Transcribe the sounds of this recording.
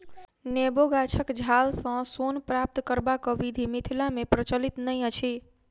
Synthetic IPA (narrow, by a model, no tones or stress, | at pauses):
neboɡat͡ʃʰəkd͡ʒʱalsə̃sonpɾap̚t̪kəɾbakəʋid̪ʱimit̪ʰilamepɾət͡ʃəlit̪nəjət͡ʃʰi